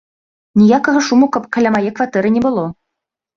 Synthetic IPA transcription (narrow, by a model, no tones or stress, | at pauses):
nʲijakɤ̆ɣɤ̆ʃumukɤ̆pkɘ̆lʲæmɑjekvat̪ɛɾɘ̆nʲebɤ̆lˠo